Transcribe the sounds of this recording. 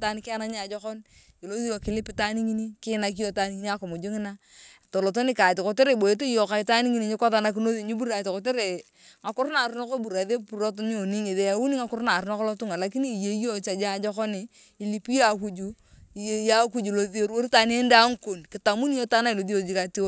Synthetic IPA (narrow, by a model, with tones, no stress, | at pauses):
ta˦n˦kɪ˦a˦na˦ɲ˦a˨d͡ʒɔ˦kɔ˦n | ɪ˨lo˦ði˦o˨kɪ˦lɪ˦pɪ˦ta˦ni˦ŋi˦ni˦kɪ˦na˨k̬i˦jo˦ta˦ni˦ŋi˦i˦a˦kɔ˨mʊ˨d͡ʒʊ˦ŋɪ˦na˦ | to˨lo˨to˦nɪ˦ka˨tɪ˨ko˨te˦ɾe˨bo˨e˦t̬o˦i˦jo˨ka˨i˦ta˦ni˦ŋi˦ni˦ɲɪ˦kɔ˦ða˦na˦k̬i˦no˦ði˨ɲi˦bu˦ɾa˨tɪ˨kɔ˨te˦ɾe˨ | ŋa˨kʊ˦ɾna˨ɾu˦no˦ko˦bu˨ɾa˨ðe˦pu˨ɾo˦t̬ɲ˦o˨ni˦ŋi˨ðe˨a˨˦wu˦ni˦ŋa˦kʊ˦ɾna˨ɾu˦nɔ˦kɔ˦lɔ˦tʊ˦ŋa˨la˨k̬i˦ni˦˨je˨˦jo˦t͡ʃa˨d͡ʒa˦˨d͡ʒɔ˦kɔ˦niː˨ | li˨pi˦ja˨ku˨˦d͡ʒu˨˦ | i˨je˨ja˦k̬u˦d͡ʒu˨lo˦ði˦o˦ɾwo˦ɾi˦ta˦ne˦n˦da˦ŋ˦ko˨nkɪ˨ta˨mu˦ni˦jo˦ta˦na˦i˨lo˨ði˦o˨d͡ʒi˦ka˨ti˦o˦